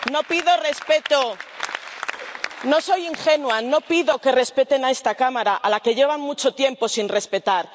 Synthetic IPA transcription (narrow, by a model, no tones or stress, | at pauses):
no̞piðo̞re̞spe̞t̪o | no̞so̞jiŋxe̞nuano̞piðo̞ke̞re̞spe̞t̪e̞nae̞st̪akamaɾaʔalake̞ʎe̞βanmut͡ʃo̞t̪je̞mpo̞sinre̞spe̞t̪aɾ